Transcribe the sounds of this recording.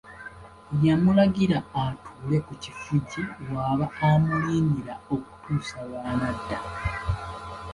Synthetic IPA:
jamulaɡiɾaːtʰuːle̞kucifuɟiwaːβaamuliːniɾao̞ku̥tuːsaβaːnadːa

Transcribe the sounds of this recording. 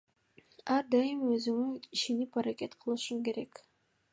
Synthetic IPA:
ɑɾd̪ɑjɯmøzyŋyiʃenipaɾake̞t̪qʰɯlˠɯʃumke̞ɾe̞k

